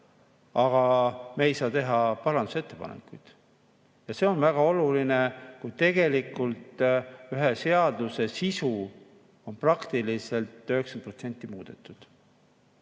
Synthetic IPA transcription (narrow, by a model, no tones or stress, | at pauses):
ɑɡ̥ɑmeːjsɑːt̪e̞ɦɑpɑɾɑnd̪u̥se̞t̪ːe̞pɑ̰nḛkujd̪̥ | jɑse̞o̞nvæɡ̥ɑo̞lulinekujt̪e̞ɡ̥e̞likult̪ˑyɦese̞ɑd̪use̞sisu | o̞nprɑkt̪ilise̞lt̪ø̞heksɑn̚pro̞t̪senʲt̪ːˑimuːd̪̥e̞t̪ːˑud̪̥